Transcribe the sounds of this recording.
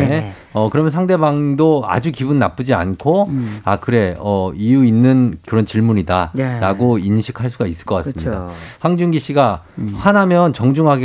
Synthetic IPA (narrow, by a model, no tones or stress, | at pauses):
e | ʌkɯɾʌmjʌnsʰaŋde̞baŋdoa̰d͡ʑukibunːap͈ɯd͡ʑia̰nkʰoakɯɾe̞ʌijuinːɯnkɯɾʌnt͡ɕiɭmuɲidaɾaɡoinɕʰikʰaɭs͈uɡais͈ɯ̥ɭk͈ʌk͈a̰ssɯmida̰haŋd͡ʑuŋɡiɕ͈iɡa | ɸanamjʌnt͡ɕʌŋd͡ʑuŋɦaɡe